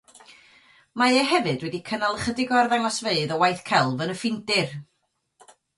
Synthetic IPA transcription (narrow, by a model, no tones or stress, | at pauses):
maɛɦɛvɨdwɛdikʰənalˠəχədɪɡɔrðaŋɔsveɨðəwajθkʰɛlˠvənəfɪndɪr